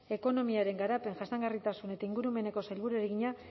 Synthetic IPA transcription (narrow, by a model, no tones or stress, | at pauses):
e̞ko̞no̞miaɾe̞ŋɡaɾape̞ŋʝasaŋɡarit̪asune̞t̪aiŋɡuɾume̞ne̞ko̞sajlβuɾueɾeɣiɲa